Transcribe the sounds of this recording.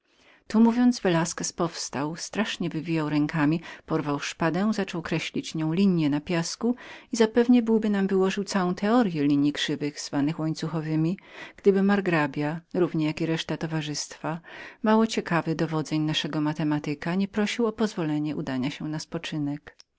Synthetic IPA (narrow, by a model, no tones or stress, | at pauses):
t̪umuvʲjɔnd̪zvɛlaskɛspɔfst̪awst̪ɾaʂɲɛvɘvʲijawɾɛŋkamʲipɔɾvawʂpad̪ɛ̃zat͡ʂɔwkɾɛɕlʲit͡ɕɲɔ̃w̃lʲiɲjɛnapʲjaskuizapɛvɲɛbɘwbɘnamvɘwɔʐɘwt̪sawɔ̃w̃t̪ʰɛɔɾjɛlʲiɲikʂɘvɘɣz̥vanɘxwɔɲt̪suxɔvɘmʲiɡ̥d̪ɘbɘmaɾɡɾabʲjaɾuvɲɛjakʲiɾɛʂt̪at̪ɔvaʐɘst̪famawɔt͡ɕɛkavɘd̪ɔvɔd̪zɛɲnaʂɛɡɔmat̪ɛmat̪ɘkaɲɛpɾɔɕiwɔpɔzvɔlɛɲɛʔud̪aɲaɕɛnaspɔt͡ʂɘnɛk